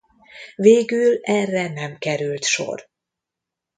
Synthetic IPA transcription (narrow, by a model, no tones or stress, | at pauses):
veːɡylɛrːɛnɛmkɛɾylt̪ʃo̰r